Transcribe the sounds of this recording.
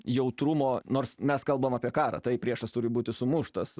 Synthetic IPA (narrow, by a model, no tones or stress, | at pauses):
jɛʊt̪ɾʊmoːnoːrsmʲɛskɐlˠbɐmɑːpʲiɛkɑːɾɑ̰ːt̪ɐɪpʲɾʲiɛʃɐst̪ʊɾʲɪbuːt̪ʲɪsʊmʊʃt̪ɐs